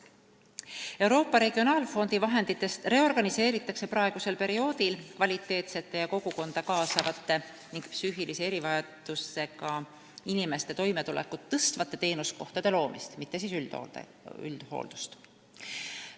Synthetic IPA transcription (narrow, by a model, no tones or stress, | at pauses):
e̞wɾo̞ːpːˑɑɾe̞ɡ̥io̞nɑːlfo̞nd̪̥ivɑɦe̞nd̪̥it̪ːˑe̞st̪re̞o̞rɡ̥ɑnise̞ːɾit̪ːˑɑkse̞pɾɑe̞ɡ̥use̞lpe̞ɾio̞ːd̪̥ilkvɑlʲit̪ːˑe̞ːt̪se̞t̪ːe̞jɑko̞ɡ̥uko̞nd̪̥ɑkɑːsɑvɑt̪ːˑe̞ | niŋɡ̥psyːɦilise̞e̞ɾivɑjɑd̪̥use̞kɑ | inime̞st̪e̞t̪o̞jme̞t̪ulḛkːˑut̪ːɤst̪vɑt̪ˑːe̞t̪e̞ːnusko̞ht̪ɑd̪e̞lo̞ːmist̪mit̪ːe̞sisy̰ | y̰ld̪̥ho̰ːld̪̥ust̪